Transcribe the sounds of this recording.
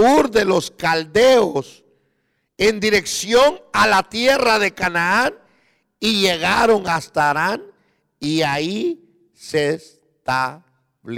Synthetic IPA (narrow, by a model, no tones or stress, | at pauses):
uɾðe̞lo̞skald̪eos | e̞nd̪iɾe̞ksjo̞nalat̪je̞raðe̞kanaan | iʝe̞ɣaɾo̞ŋast̪aːɾan | iai | ses | t̪a | βl